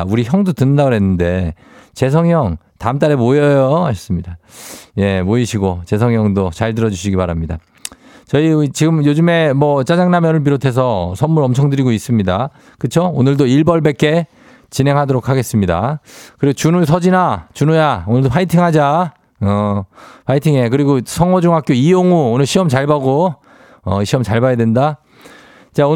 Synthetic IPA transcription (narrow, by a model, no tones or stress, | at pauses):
uɾiçjʌŋdotɯnɯndaɡoɦenːɯnde̞ | t͡ɕe̞s̬ʰʌŋjʌŋ | tamt̬͈aɾemojʌjoas͈ɯmɲidaje̞moiɕʰiɡot͡ɕe̞s̬ʰʌŋjʌŋdot͡ɕaɭdɯɾʌd͡ʑuɕ̬ʰiɡipaɾamɲida̰ | t͡ɕʌiit͡ɕiɡɯmjod͡ʑɯme̞mʌt͡ɕ͈ad͡ʑaŋnamjʌnɯɭp̬iɾotʰe̞s̬ʰʌsʰʌnmuɾʌmt͡ɕʰʌŋdɯɾiɡois͈ɯmɲida | kɯt͡ɕʰoonɯɭdoiɭbʌɭbe̞k͈e̞ | t͡ɕinɦe̞ŋɦadoɾokʰaɡe̞s͈ɯmɲida̰kɯɾiɡot͡ɕunus̬ʰʌd͡ʑinat͡ɕunujaonɯɭdopʰaitʰiŋɦad͡ʑa | ʌpʰaitʰiŋe̞k̬ɯɾiɡosʰʌŋwʌd͡ʑuŋɦak͈joijoŋuonɯɭɕʰiʌmt͡ɕaɭbaɡo | ʌɕʰiʌmt͡ɕaɭbajadwenda | t͡ɕao